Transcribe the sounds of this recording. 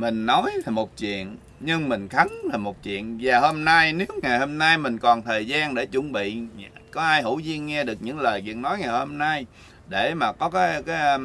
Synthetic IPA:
mï˨˩ŋ̟nɔ˨˦jla˨˩mo˨˩t̚t͡ɕwḭ˧˨ən | ɲɨ˧ŋmï˨˩ŋ̟xa˨˦ŋlaː˨˩mo˨˩t̚t͡ɕwḭ˧˨ənvaː˨˩ho˧mna˧jne˨˦wŋa˨˩jho˧mna˧jmï˨˩ŋ̟kɔ˨˩nt̪ʰəː˨˩jzaː˧nɗe˧˩t͡ɕṵ˧˩nɓḭ˧˨kɔ˨˦ʔaː˧jhṵ˧˩zi˧ənŋɛ˧ɗɨ˨˩ək̚ɲɨ̰˧˥ŋləː˨˩jɣḭ˧˨ək̚nɔ˨˦jŋa˨˩jho˧mna˧j | ɗe˧˩maː˨˩kɔ˨˦kaː˨˦jkaː˨˦j

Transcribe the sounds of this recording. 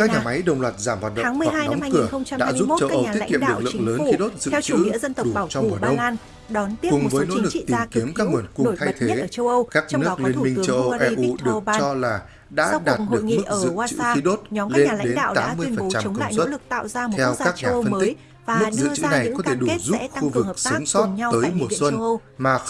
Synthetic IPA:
kaː˦˥kɲaː˨˩ma˨˦jɗə˧wŋ͡mlwaː˨˩t̚zaː˧˩mhwaː˨˩t̚ɗə̰aː˨˦˨mɨ˩ə˨jhaː˧jnɔ˨˧˦ŋ͡ma˧kɨ˧˩˨əxə˧ŋ͡mt͡ɕa˧ɗ̰ːzu˦˥pt͡ɕə˧wka˦ʔə˧wɲːa˨˧ḭ˦˥˧kḭ˧˨əm̰ɨ˨˩˧k̚lɨ̰˧˨ləː˨˦nxi˨˦ɗo˦˥t̚zɨ̰˧˨˧wt͡ɕɨ˧˥ḭ˧˥zə˧nt̪ə˨˩ɗu˨˩aː˧˩wt͡ɕɔ˧wŋ͡mku˧˨˩ɗə˧ə˧wŋ͡maː˧n | ɗɔ˨˦nt̪i˦˥kʊ˨˩ŋ͡mvə˧˨˦jno̰˧˥lɨ˨˩ḭ˧˨t̪i˨a˩˧ki˨˦əmkaː˦˥wu˨˩ənkʊ˧n˧ŋ͡mt̪ʰa˧˨jt̪ʰe˨˥˦əː˧˩t͡ɕə˧wʔə˧wkaː˦˥k̚nɨ˦˥ə˨˩k̚li˧ən˧mï˧ŋ˨˦t͡ɕə˧wə˧wʔɛ˧ʔu˧ɗɨ˨˩ə˧k̚ːt͡ɕɔ˧laː˨˩ | ɗa̰ː˧˥˧ɗaː˨˩oɨ˨˩˨kim˧mɨ˦ʔ̚əː˧zɨ̰˧˨a˧t͡ɕɨ̰˧xi˨˦ɗo˦˥t̚ɲɔ˨˦mka˦le˥˧ɲna˨˩l̰a˧ɗe˥˨˦ɗa̰ː˧˨t̪aː˨˦˧mːɨ˧əjfə˨˩˨nt͡ɕa˧˨ka̰˧˨sə˦˥˦lɨ˨˩k̚t̪a̰ː˧˨wzaː˧t̪ʰɛ˧w̪kaː˦˥k̚ɲaː˨˧˩fə˧nəː˨ï˦jk̚ | vaː˨m˩ɨ˦˥˩k̚zɨ̰˧t͡ɕɨ̰˧˥˧na˨˩j̰kɔ˨˦tʰe˧˩ɗu˧˩˦zṵ˦˧˥p̚xu˧vɨ˨˩kːksə˨˦˥ŋ͡msɔ˦˧˦t̚wt̪əː˨˦jmo˨˩˧swə˧n˧wwmaː˨˩

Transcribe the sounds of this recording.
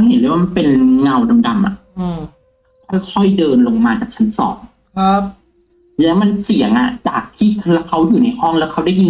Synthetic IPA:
he˨˩˦nduː˥˩˦waː˥˧ma˧npe˧nŋa˧wda˧mda˧mʔa̰˨˩ʔ | kʰɔ˥˩jkʰɔ˥˩jdɤː˧nlo˧ŋmaː˧t͡ɕaː˨˩k̚t͡ɕʰa˦˥nsɔ̰ː˩˦ŋ | kʰa˦p̚ | lɛː˦˥wma˧nsi˨˩˦ŋʔa̰˨˩t͡ɕaː˨˩k̚t̪ʰiː˥˩lɛ˦˥wkʰa˦˥wjuː˨˩na˧jhɔ˥˩ŋlɛː˦˥wkʰa˦˥wdaː˥˩ji˧n

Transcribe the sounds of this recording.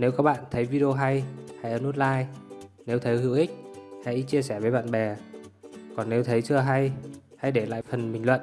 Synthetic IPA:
ne˨˦wkaː˦˥k̚ɓa̰ː˧˨nt̪ʰə˨˦jvi˧ɗi˧o˧ɦa˧jha˧jʔəː˧˩nu˦˥t̚laː˧j | ne˨˦wt̪ʰə˨˦jhi˧˥wʔï˦˥k̟̚ha̰˧˥jt͡ɕi˧əsɛ˧˩vəː˨˦jɓa̰ː˧˨nɓɛ˨˩ | kɔ˨˩nːe˨˦wt̪ʰə˨˦jt͡ɕɨ˧əɦa˧jha˧jɗe˧˩la̰ː˧˨jfə˨˩nmɓï˨˩ŋlwə̰˧˨n

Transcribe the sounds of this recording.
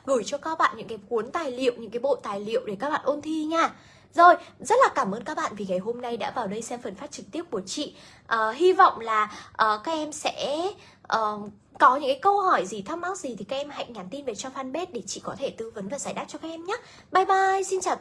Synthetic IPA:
ɣɨ˧˩jt͡ɕɔ˧kaː˧˦˥k̚ɓa̰ː˧˨nɲɨ̰˧˥ŋkaː˨˦jku˨˦ənt̪aː˨˩jlḭ˧˨əwʔɲɨ̰˧˥ŋkaː˨˦jɓo̰˧˨t̪aː˨˩jlḭ˧˨əwɗe˧˩kaː˦˥k̚ɓa̰ː˧˨nʔo˧nt̪ʰi˧ɲaː˧˩ | zo˨˩jzə˦˥t̚laː˨˩kaː˧˩mʔəː˧nkaː˦˥k̚ɓa̰ː˧˨vi˨˩ŋa˨˩jɦo˧mna˧jɗa̰ː˧˥vaː˨˩wɗə˧jsɛ˧mfə˨˩nfaː˦˥t͡ɕɨ˨˩k̚t̪i˦˥əp̚ku˧˩ət͡ɕḭ˧˨ | ʔəː˨˩ɦi˧vɔ̰˧˨wŋ͡mlaː˨˩ʔəː˨˩kaː˦˥k̚ʔɛ˧msɛ̰˧˥ | ʔəː˨˩ | kɔ˨˦ɲɨ̰˧˥ŋkaː˨˦kə˧whɔ˧˩jzi˨˩t̪ʰa˨˧˥wma˦˥t̚zi˨˩t̪ʰi˨˩kaː˦k̚ʔɛ˧mha̰˧˨jŋaː˨˩nt̪i˧nve˨˩t͡ɕɔ˧faː˧nɓe˦˥t̚ɗe˧˩t͡ɕḭ˧˨kɔ˨˦t̪ʰe˧˩t̪ɨ˨˦və˨˦nvaː˨˩zaː˧˩jɗaː˦˥t̚t͡ɕɔ˧kːaː˦˥k̚ʔɛ˧mɲaː˨˦ | ɓaː˧jɓaː˧jsi˧nt͡ɕaː˨˩

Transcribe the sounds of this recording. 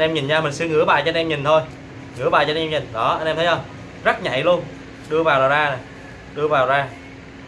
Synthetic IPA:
nʔɛ˧mɲi˨˩nɲaː˧mï˨˩ŋ̟sɨ˧ŋɨ̰˧˥əɓaː˨˩jt͡ɕɔ˧nʔɛ˧mɲi˨˩nt̪ʰo˧j | ŋɨ̰˧˥˦ɓaː˨˩t͡ɕɔː˧nʔɛ˧mɲi˨˩ŋɗɔ˨˦ʔa˧nʔɛ˧mt̪ʰjhə˧˩ | zə˦˥t̚ɲa̰˧˨jlu˧ən | ɗɨ˧əvaː˨˩wlaː˨˩zaː˧na˨˩ | ɗɨ˧əvaː˨˩wzaː˧

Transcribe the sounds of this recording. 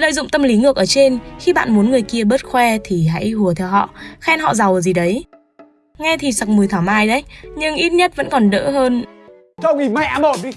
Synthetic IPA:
lə̰ː˧˨jzʊ̰˧˨ŋ͡mt̪ə˧mli˨˦ŋɨ˨˩ək̚ʔəː˧˩t͡ɕe˧nxi˧ɓa̰ː˧˨nmu˨˦nŋɨ˨˩əjki˧əɓəː˦˥t̚xwɛ˧t̪ʰi˨˩ɦa̰˧˥jhu˨˩ət̪ʰɛ˧wɦɔ̰˧˨xɛ˧nhɔ̰˧˨za˨˩wə˨˩zi˨˩ɗə˨˦j | ŋɛ˧t̪ʰi˨˩sa˨˩k̚mɨ˨˩əjt̪ʰaː˨˩mʔaː˧jɗə˨˦jɲɨ˧ŋʔi˦˥t̚ɲə˦˥t̚və̰˧˥nkɔ˨˩nɗə̰ː˧˥ɦəː˧n | t͡ɕə˧wi˨˩ma˧˦jʔaː˧mo˧˩ni˧˦

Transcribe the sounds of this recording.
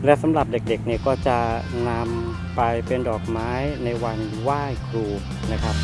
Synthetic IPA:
lɛː˦˥wsa˨˦mɾa˨˩p̚de˨˩k̚de˨˩k̚ni˥˩kɔː˥˩t͡ɕa˨˩ | na˧m | pa˧jpe˧ndɔː˨˩k̚maː˦˥jna˧jwa˧n | waː˥˩jkʰɾuː˧ | na˦˥kʰɾa˦˥p̚

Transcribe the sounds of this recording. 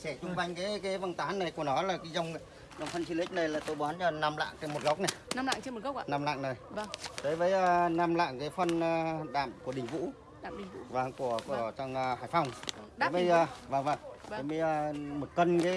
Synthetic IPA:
sɛ˧˩t͡ɕʊ˧ŋ͡mva˧jŋ̟kaː˨˦jkaː˨˦jvə˧nt̪aː˨˦nna˨˩ku˧˩ənɔ˨˦laː˨˩kaː˨˦jzə˧wŋ͡m | zə˧wŋ͡mfə˧nt͡ɕi˧nʔï˦˥k̚nə˨˩jlaː˨˩t̪o˧jɓɔ˨˦nt͡ɕɔ˧˩naː˧mla̰ː˧˨ŋt͡ɕə˧nmo˨˩ɣə˦˥k͡p̚na˨˩jnaː˧mla̰ː˧˨ŋt͡ɕe˧m̚˨˩ɣə˦˥k̚ːnaː˧mla̰ː˧˨ŋnə˨˩jɗəː˨˦jvəː˨˦jnaː˧mla̰ː˧˨ŋkaː˨˦jfə˧nː˧ɗa̰ː˧˨mku˧˩əɗï˨˩ŋ̟vṵ˧˥˧ | vaː˨˩ŋku˧˩əku˧˩ət͡ɕa˧ŋ͡mːhaː˧˩˨jfa˧wŋ͡mjɓə˧jzəː˨˩vaː˨˩ŋvaː˨˧˩ŋə˨˦mi˧ə˨˩mo˨˩t̚kə˧nkaː˨˦

